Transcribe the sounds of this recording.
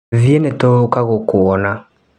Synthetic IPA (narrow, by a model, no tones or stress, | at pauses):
vjenɛtɔkaɣɔkʊɔna